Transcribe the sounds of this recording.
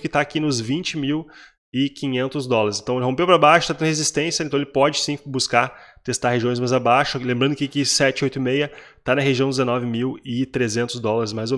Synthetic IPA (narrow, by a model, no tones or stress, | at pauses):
kɪt̪aːkinʊzvĩnt͡ʃɪmiw | ɪkĩɲẽnt̪ʊzd̪ɔlɐɾɪsẽnt̪ɐ̃w̃elɪɦõpewpɾabaʃʊt̪at̪ẽd̪hezist̪ẽsjɐẽt̪ɐ̃w̃elɪpɔd͡ʒɪsĩbuskat̪est̪aɾɦeʒiõj̃szmazabaʃʊlẽmbɾɐ̃nd̪ʊkɪkɪsɛt͡ʃɪojt̪ʊɪmejɐ | t̪anɐɦeʒiɐ̃w̃d͡ʒ̪ɪzenɔvɪmiwɪt̪ɾezẽnt̪ʊzd̪ɔlɐɾɪsmajzo